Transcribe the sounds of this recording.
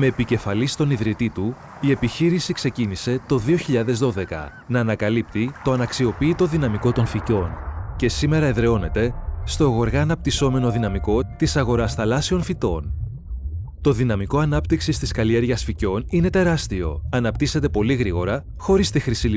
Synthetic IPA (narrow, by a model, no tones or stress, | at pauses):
me̞ːpice̞fɐlist̪o̞niðɾit̪it̪u | ie̞piçiɾisikse̞cinise̞t̪o̞ðio̞çiʎɐðe̞zðo̞ðe̞kɐ̰ | nɐːnɐkɐlipt̪it̪o̞ɐnɐksio̞piːt̪o̞ðinɐmiko̞t̪o̞nfico̞nce̞sime̞ɾɐeðɾe̞o̞ne̞t̪e̞st̪o̞eɣo̞ɾɣɐːnɐp̚t̪iso̞me̞no̞ðinɐmiko̞t̪isɐɣo̞ɾɐsθɐlɐsio̞nfit̪o̞n | t̪o̞ðinɐmiko̞ɐnɐpt̪iksist̪iskɐlie̞ɾʝɐsfico̞nine̞t̪e̞ɾɐst̪io̞̰ɐnɐpt̪ise̞t̪e̞po̞liɣɾiɣo̞ɾɐ | xo̞ɾist̪ixɾisi